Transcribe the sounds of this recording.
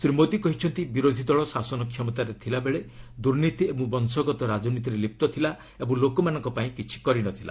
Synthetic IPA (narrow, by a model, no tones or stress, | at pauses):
sɾimot̪ikɔɦit͡ʃʰɔnt̪ibiɾod̪ʱid̪ɔɭɔsasɔnɔkʰjɔmɔt̪aɾet̪ʰilabeɭed̪uɾnit̪iebũbɔnsɔɡɔt̪ɔɾad͡ʒɔnit̪̬iɾelip̚t̪ɔt̪ʰila | ebɔŋlokɔmanɔŋkɔpaĩkit͡ʃʰi̥kɔɾinɔt̪ʰila̰